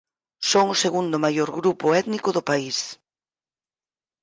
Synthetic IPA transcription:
soŋʊseɣund̪ʊmajoɾɣɾupʊɛt̪nikʊðʊpais

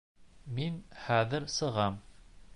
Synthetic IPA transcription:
minχæðɘɾsɤ̆ʁɑm

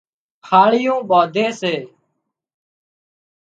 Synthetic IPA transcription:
kʰaːɭɪjõːɓaːd̪ʱeːseː

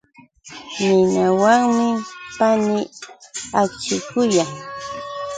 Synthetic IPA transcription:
nɪnawaŋmɪpanɪ | at͡ʃɪkʊjaŋ

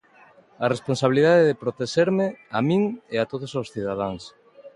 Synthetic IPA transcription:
aresponsaβiliðaðeðepɾot̪eʃeɾmɪamĩŋeat̪oðosawsθiðað̞aŋs

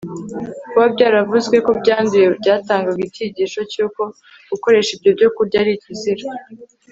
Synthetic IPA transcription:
kuβabɟaːɾavuzɡwe̞ko̞bɟaːnduje̞bɟaːtaːŋɡaɡitiɟiːʃo̞cuːko̞ | ɡ̥uko̞ɾe̞ʃibɟo̞bɟo̞kuɾɟaːɾiːciziɾa

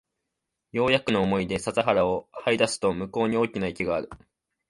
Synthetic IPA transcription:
jo̞ːjakɯ̟no̞ːmo̞id̪e̞sazaɦaɾao̞haid̪asɨ̥t̪o̞mɯ̟ko̞ːɲ̟io̞ːkʲinaikʲiɡaːɾɯ̟

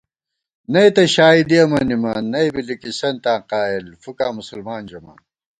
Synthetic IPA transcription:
nɐit̪ɐɕaːid̪iɐmɐnimaːnːɐibilikisɐnt̪ãːqaːilfukaːmusɐlmaːnd͡ʑɐma̰ːn

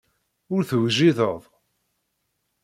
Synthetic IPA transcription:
ʊɾθwʒiðəðˤ

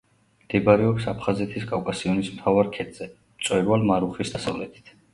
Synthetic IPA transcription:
md̪̥ɛbaɾɛaksapʰχazɛt̪ʰiskʼavkʼasiɔnismt̪ʰavaɾkʰɛt̪ʼz̥ɛ | mt̪sʼwɛɾvalmaɾuχisd̪asa̰vlɛt̪ʰi̥t̪ʰ

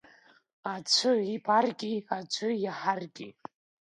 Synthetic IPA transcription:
at͡sʷʰɨibʰʼarɡʲʼiat͡sʷʰʊjaħarɡʲʼi

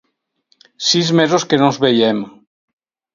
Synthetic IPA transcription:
sizmezoskenozβejem

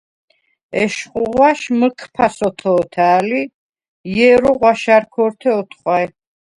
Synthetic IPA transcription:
ɛʃχʼuʁwaʃməkʰpʰasɔt̪ʰɔːt̪ʰaːli | jɛɾɔʁwaʃaɾkʰɔɾt̪ʰɛɔt̪ʰχʼwaɛ

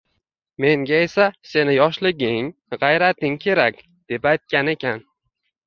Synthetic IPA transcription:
me̞ŋɡʲae̞sase̞nɪjɒʃlɪɡʲɪŋʁɑjɾat̪ɪŋkʲʰe̞ɾakʲ | d̪̥e̞pajt̪̚kʲane̞kʲʰan

